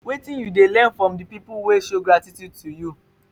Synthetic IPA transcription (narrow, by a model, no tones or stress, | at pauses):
wetĩjudelɛ̃nfɹɔ̃mdipipuweʃoɡɹatitjud̚tuju